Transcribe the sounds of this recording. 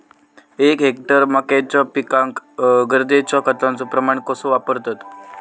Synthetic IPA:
ekɦek̚ʈəɾməkat͡ɕɔpikãŋkɡəɾd̪et͡ɕɔkət̪ãnt͡sopɾəmaɳkəsũʋapəɾt̪at̪

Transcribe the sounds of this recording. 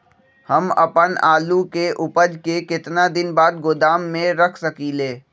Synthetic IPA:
hɐmɐ̰pənaːlukeʔʊpəd͡ʒkekɪt̪nad̪ɪnbaːd̪̚ɡʊd̪aːmːẽɾɐkʰsɐkiːleː

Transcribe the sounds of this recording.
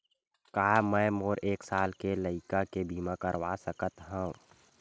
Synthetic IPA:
kaːmɛ̃ːmoːɾeːksaːlkeləɪkakebʱiːmãkəɾʋasəkət̪ɦũː

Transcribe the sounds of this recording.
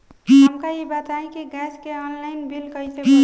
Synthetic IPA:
əmkaibat̪aĩkiɡɛskeɔnlaɪnbilkəjse

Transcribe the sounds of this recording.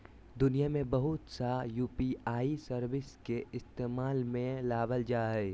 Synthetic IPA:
d̪ʊnijamẽbɐɦʊt̪sajuːpiaːisəɾwɪskeɪst̪eːmaːlmẽlaːbəld͡ʒaːɦɛː

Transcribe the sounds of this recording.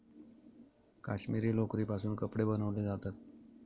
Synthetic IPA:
kaɕmiːɾiːlokɾiːpasuːnkəpɽebənəʋled͡zat̪at̪̚

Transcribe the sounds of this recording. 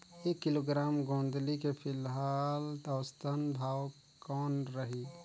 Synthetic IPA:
ekːiloɡɾaːmɡõːnd̪likepʰɪlɦalt̪ɔst̪ʰənd̪ʱaːw | kɔːnɾəɦi

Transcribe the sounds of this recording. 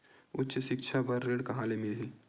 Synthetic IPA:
ʊtːʃəʃɪkt͡ʃʰapɐɾːeːɽkɐɦãːlemɪlɦiː

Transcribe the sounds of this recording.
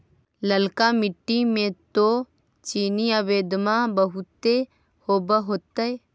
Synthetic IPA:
ləlkamɪʈːimẽt̪o | t͡ʃiːniəʋeːd̪mabəɦut̪ːe | hoːbəɦoːt̪əe

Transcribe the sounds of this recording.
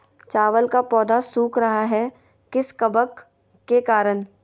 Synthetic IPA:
t͡ʃaːʋəlkapɔːd̪asuːkɾɐɦaɦɛ | kɪskɐbəkː | ekaːɾən

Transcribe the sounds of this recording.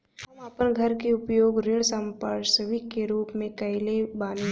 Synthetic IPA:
ɦɐməpənɡʱɐɾkeʊpjoːɡɾɪɽ̃sə̃mpəɾsəʋikeɾuːpmẽkɐɪlebaːne

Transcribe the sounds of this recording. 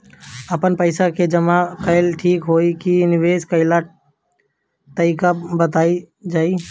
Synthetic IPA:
əpənpəɪsaked͡ʒəmakəɪlʈʰiːkɦoːikinɪʋeːskəɪla | t̪əɪkabət̪aːi | d͡ʒaːi

